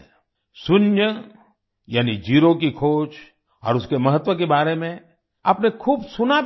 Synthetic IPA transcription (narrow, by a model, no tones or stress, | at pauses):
sʊnjə | jaːnid͡ʒiːɾokikʰoːt͡ʃ | ɔ̰ːɾʊskemɐɦət̪wʋək̬ebaːɾemẽ | ɐpnekʰuːbsʊnab